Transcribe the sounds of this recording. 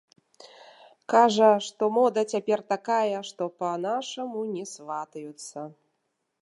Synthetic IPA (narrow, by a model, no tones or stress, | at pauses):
kaʐɐʂt̪ɔmɔd̪ɐt͡sʲapʲɛrt̪akajɐʂt̪ɔpɐnaʂɐmunʲɛsvat̪ɐjut̪sːɐ